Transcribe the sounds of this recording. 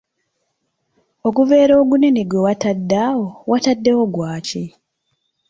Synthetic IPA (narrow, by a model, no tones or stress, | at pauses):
o̞kuve̞ːɾo̞ːɡuneneɡwewatadːaːwo̞wʔatadːe̞wo̞ɡwaːci